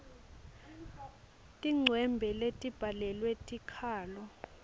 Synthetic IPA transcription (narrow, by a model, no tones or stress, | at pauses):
tʼiŋ͡ǀʱwɛmbʱɛletʼib̥ʱalɛlwetʼikʰaːlɔ